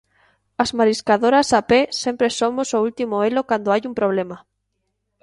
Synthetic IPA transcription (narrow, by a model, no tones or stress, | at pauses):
azmaɾiskaðoɾasapesempɾesomosoult̪imoelokand̪oajumpɾoβ̞lema